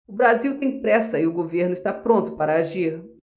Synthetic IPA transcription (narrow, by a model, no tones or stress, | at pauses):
ʊbɾaziwt̪ẽj̃pɾɛsɐɪʊɡoveɾnʊɪst̪apɾõnt̪ʊpaɾɐaʒiɾ